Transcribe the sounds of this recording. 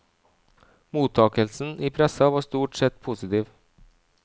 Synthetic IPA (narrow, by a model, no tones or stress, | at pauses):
muːt̪ʰːɑːkəlsn̩ʔiːpʰɾɛsɑʋɑːʂt̪uːʈsɛt̪ːpʰʊsɪt̪iːʋ